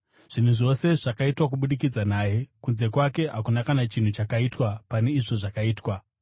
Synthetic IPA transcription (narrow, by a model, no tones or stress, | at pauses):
ʐ̥in̤uʐo̞se̞ʐ̥akaitwakuɓuɗik̬id͡zanaːje̞kunze̞kwake̞ɦakunakanat͡ʃin̤ut͡ʃakaitwapane̞iʐo̞ʐakaiːtwa